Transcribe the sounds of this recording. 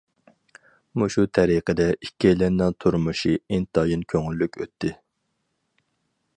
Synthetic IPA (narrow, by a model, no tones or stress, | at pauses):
muʃut̪ʰɛɾiqʰəd̪ɛʔikʲʰːɛjlɛnːɨŋt̪ʰuɾmuʃiint̪ʰɑjinkʲʰøŋylːykʲʰøt̪ʰːɪ